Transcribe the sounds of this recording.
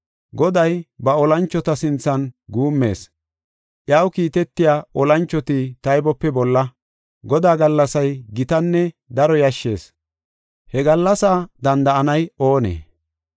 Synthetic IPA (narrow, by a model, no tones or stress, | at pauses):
ɡɔd̪ɐjbɐɔlɐnt͡ʃːɔt̪ɐsɪnt͡sːɐnɡuːmːe̞̰ːs | ʔjɐwkiːt̪ɛt̪ːɪjaːʔɔlɐnt͡ʃːɔt̪it̪ɐjbɔpːɛbɔlːɐ | ɡɔd̪aːɡɐlːɐsɐjɡɪt̪ɐnːɛ | d̪ɐɾɔjɐʃːe̞ːs | hɛɡɐlːɐsaːd̪ɐnd̪ɐʔɐnɐjo̞ːnḛː